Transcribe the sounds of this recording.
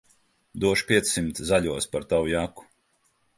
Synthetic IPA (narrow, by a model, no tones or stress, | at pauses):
d̪uɔʃpʲiɛt̪sːimt̪szaʎʲuɔspaɾt̪awujaku̥